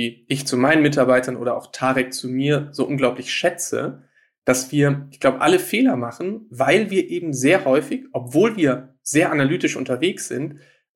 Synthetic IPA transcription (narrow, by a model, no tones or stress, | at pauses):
viːʔɪçt͡sumaɪnənmɪtaɐbaɪtɐnʔo̰ːɾɐʔa̰ʊxtʰaːʁɛk̚t͡sumiːɐzoːʔʊnɡlaʊplɪçʃɛt͡sə̰ | d̥asv̥iːɐɪçɡ̥l̥aʊbəʔaləfeːlɐmaχn̩vaɪlviːɐʔeːbm̩zeːɐhɔʏfɪçʔɔpv̥oːlviːɐ | z̥eːɐʔanalyːtɪʃʔʊ̰ntɐveːksz̥ɪ̰nt